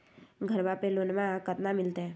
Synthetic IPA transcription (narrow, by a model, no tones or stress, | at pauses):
ɡʱəɾʋapeloːnmãkət̪namɪlt̪eɦɛ̃ː